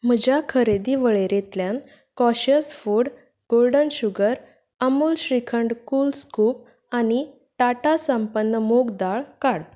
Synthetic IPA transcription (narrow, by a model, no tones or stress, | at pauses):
m̤əd͡ʑakʰəɾed̪iːʋəɭeɾet̪ljãn | kɔɕəsfuɽ | ɡ̥olɖənɕuɡəɾ | əmuːlɕɾikʰəɳɖkuːlskup̚ | ani | ʈaʈasəmpənːəmoɡd̪aɭkaɽ